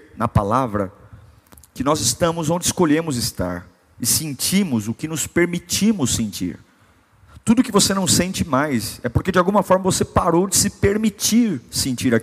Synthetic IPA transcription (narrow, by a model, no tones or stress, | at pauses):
nɐpalavɾɐ̰ | kɪnɔzɪst̪ɐ̃mʊzõnd͡ʒɪskoʎẽmʊzɪst̪a̰ɾ | ɪsẽnt͡ʃĩmʊzʊkɪnʊspeɾmit͡ʃimʊsẽnt͡ʃḭɾ | t̪ud̪ʊkɪvosenɐ̃w̃sẽnt͡ʃɪmajsɛpoɾked͡ʒɪawɡũmɐfɔɾmɐvosepaɾowd͡ʒɪsɪpeɾmit͡ʃiɾsẽnt͡ʃiɾa